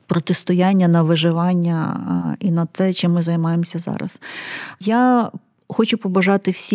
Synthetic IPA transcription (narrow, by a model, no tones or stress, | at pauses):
pɾɔt̪ɪst̪ɔjanʲːɐnɐʋɪʒɪʋɑnʲːɐinɐt̪sɛt͡ʃɪmːɪzɐjmɑjemsʲɐzɑ̰ɾɐ̰sja | xɔt͡ʃʊpɔbɐʒɑt̪ɪwsʲi